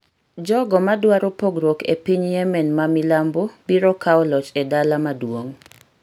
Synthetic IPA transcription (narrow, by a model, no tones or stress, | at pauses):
d͡ʒɔɡɔmadwaɾopoɡɾokḛpiɲjɛmɛnmamɪlambobiɾɔkaɔlɔt͡ʃedalamadwoŋ